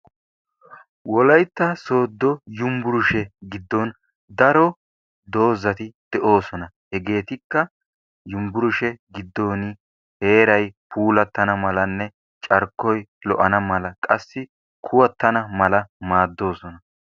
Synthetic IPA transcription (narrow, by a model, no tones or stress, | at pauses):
wɔlɐjt̪ːɐso̞ːd̪ːɔjʊmbʊɾʊʃɛɡɪd̪ːɔn | d̪ɐɾɔ | d̪o̞ːzɐt̪ɪd̪̥ɛʔo̞ːsɔnɐ | hɛɡe̞ːt̪ɪkːɐ | jʊmbʊɾʊʃɛɡɪd̪ːo̞ːnɪ | he̞ːɾɐjpʰuːlɐt̪ːɐnɐmɐlɐnːɛ | t͡ʃʼɐɾkːɔjlɔ̰ʔɐnɐmɐlɐkʼɐsːɪ | kʰʊwɐt̪ːɐnɐmɐlɐmaːd̪ːo̞ːsɔnɐ